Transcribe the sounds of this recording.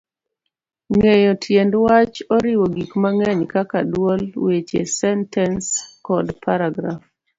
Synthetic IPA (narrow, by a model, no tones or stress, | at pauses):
ŋejɔtʰjendwat͡ʃɔɾɪwoɡikmaŋɛɲkakadwolwet͡ʃḛsɛntɛnskɔdpʰaɾaɡɾaf